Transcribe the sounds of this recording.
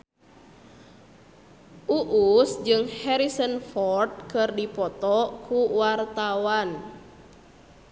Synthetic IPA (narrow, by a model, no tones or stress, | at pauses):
ʔuʔusd͡ʒɨŋhɛɾisənfɔrt̪̚kɨrdipɔt̪ɔkʰuwart̪awan